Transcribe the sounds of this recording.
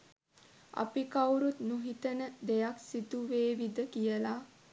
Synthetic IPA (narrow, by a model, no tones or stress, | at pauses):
a̰pikawɾut̪nuɦit̪ənəd̪ejaksit̪uʋeːʋid̪əkijəla